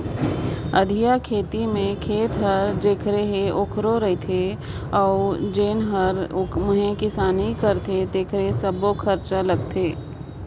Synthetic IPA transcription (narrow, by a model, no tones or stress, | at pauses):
ɐd̪ʱijakʰeːt̪imẽkʰeːt̪ɦəɾd͡ʒeːkʰɾeɦeʔokʰɾoɾəɦet̪ʰe | ɔːd͡ʒeːnɦəɾʊmʊɦẽkɪsaːnikəɾt̪ʰed̪eːkʰɾesəbokʰɐɾt͡ʃalɐɡt̪ʰeː